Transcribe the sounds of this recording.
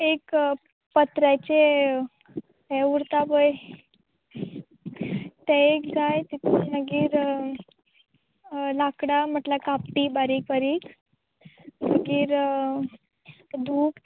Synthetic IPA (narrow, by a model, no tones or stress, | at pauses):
ek | pət̪ɾat͡ɕe | ɦɛuɾt̪apəj | t̪ɛekd͡zajt̪it̪ʰinəɡiːɾ | lakɽam̤əʈlakap̚ʈibaɾik̚baɾiːk | nəɡiːɾ | d̪ʱuːk